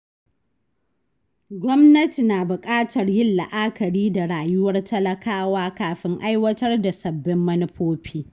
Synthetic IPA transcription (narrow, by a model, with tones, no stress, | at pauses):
ɡʷɔ˦mnɐ˦ti˨naː˨bʊ˨kʼaː˦tʰɐ˨rjɪ˦lːa̰˨ʔa˦kɐ˨ɽiː˦da˨ɽaː˨jʊ˦wɐ˦rtʰɐ˦lɐ˦kaː˦waː˦kaː˨ɸɪ˦ŋʔa˦jwɐ˦tɐ˦rda˨sɐ˨bːɪ˦mːɐ˦nɪ˦ɸoː˦ɸʰiː˦